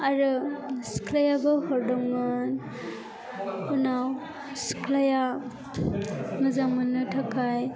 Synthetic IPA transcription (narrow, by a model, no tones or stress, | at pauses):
aɾɯsi̥kʰlajabɔhɔɾdɔŋan | unaw | skʰlaja | nɯzaŋmanɯtʰakʰaj